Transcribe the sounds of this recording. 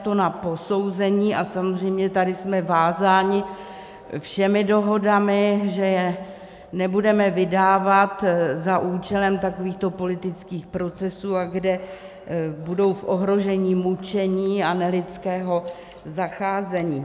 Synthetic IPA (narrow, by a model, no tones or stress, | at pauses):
t̪o̞napo̞so̞wzɛɲiːʔasamozr̝ɛjmɲɛt̪adɪsmɛvaːzaːɲɪ | fʃɛmɪdo̞ɦo̞damɪʒɛjɛ | nɛbudɛmɛvɪdaːvat̪zaʔuːt͡ʃɛlɛmt̪ako̞viːxt̪o̞po̞lɪt̪ɪt͡skiːxpɾo̞t͡sɛsuːaɡdɛ | budo̞wfʔo̞ɦɾo̞ʒɛɲiːmut͡ʃɛɲiːanɛlɪtt͡skɛːɦo̞ | zaxaːzɛɲiː